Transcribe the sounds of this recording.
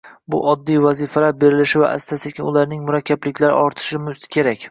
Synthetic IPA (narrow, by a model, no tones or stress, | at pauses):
bʊ̰ʔɒd̪ːijvazifalaɾbe̞ɾɪlɪʃɪva̰ʔa̰st̪ʰasekʲɪnʊlaɾnɪŋmʊɾakʲʰːablɪkʲlaɾɪ̰ʔɒɾt̪ʰɪ̥ʃɪmʊskʲʰe̞ɾakʲ